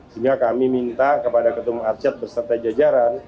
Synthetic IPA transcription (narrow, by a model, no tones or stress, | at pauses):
siŋɡakamimint̪akəpadakət̪umatt͡ʃat̪̚bərsərt̪ad͡ʒad͡ʒaɾan